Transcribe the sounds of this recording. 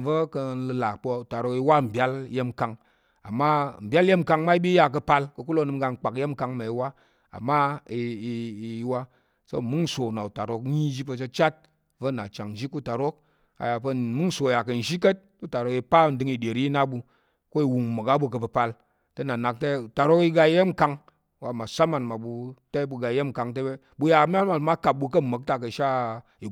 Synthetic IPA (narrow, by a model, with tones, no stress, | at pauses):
və˦kə˧˦lɨ˧la˨kk͡po˧u˨ta˨ɾo˧˦ki˧wa˦˨m̩˨bʲa˦lje˦mka˧ŋ | a̰˨mːa˦m̩˨bʲa˦lje˦m˦ka˧ŋma˦i˦bi˦ja˧k̬ə˧pa˧lkɐ˧ku˦lo˦nɨ˧m˦ɡa˧ŋ̩˨k͡pa˨kje˦m˦ka˧ŋma˨i˧˦wa˦ | a̰˨mːa˦i˧ | wa˦ | so̰˦˨mɨ˦ŋ˦sʷo˨na˨u˨ta˨ɾo˧k̚ɲi˦d͡ʒi˦p̬ə˧t͡ʃə˧t͡ʃa˦t̚ | və˦˨na˨t͡ʃa˨ŋn̩˨ʒi˦ku˦ta˨ɾo˦k̚ | a̰˨ja˨pə˧mɨ˦ŋ˦so˨ja˨kɐ˨n̩˨ʒi˦k̬ə˦t̚ku˦ta˨ɾo˨˦ki˧pa˦˨n̩˦dɨ˧ŋi˨ɗʲe˨ɾi˦i˦na˦bu˧ | ko˦i˨˧wu˨ŋ˨mə˨ka˦bu˧k̬ə˧p̬ɐ˧pa˧l | tə˦na˨na˨k̚te˦˨ta˨ɾo˦ki˧ɡa˧i˦je˦m̩˨ka˧ŋ | wa˨ma˨sa˦ma˨nma˨bu˧ta˦bu˧ɡa˧i˦je˦m̩˨ka˧ŋt̬e˦be˦ | bu˧ja˧˦mʲ˦a˦lma˨n˨ma˦ka˨p̚bu˧k̬ə˦˨mə˨˦k̚ta˦˧kə˧˨ʃa˦ | i˨